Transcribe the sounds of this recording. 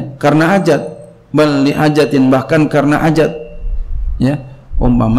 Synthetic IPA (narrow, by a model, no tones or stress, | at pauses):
karnaːd͡ʒat̪̚ | balliʔad͡ʒat̪ɪnbahkankarnaʔad͡ʒat̪̚ | jaɔ̰mpam